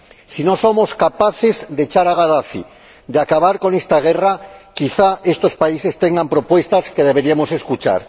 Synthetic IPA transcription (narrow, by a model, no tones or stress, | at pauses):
sino̞somoskapaθe̞zd̪e̞t͡ʃaɾaɣ̞aðaθḭ | d̪eakaβ̞aɾko̞ne̞st̪aɣ̞e̞rakiθaest̪o̞spaise̞st̪eŋɡampɾo̞pwe̞st̪aske̞ðe̞β̞eɾiamose̞skut͡ʃa̰ɾ